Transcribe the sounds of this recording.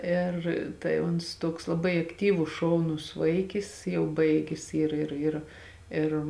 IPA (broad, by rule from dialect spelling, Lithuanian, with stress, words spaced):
ˈeːr tɐɪ ˈʊns ˈtuɔks lˠɐˈbɐɪ ɐkˈtʲiːʋʊs ˈʃɐʊˌnʊs ˈʋɐɪkʲɪs ˈjɛʊ ˈbɐɪɡʲɪs ˈiːr ˈɪr ɪr ˈɪr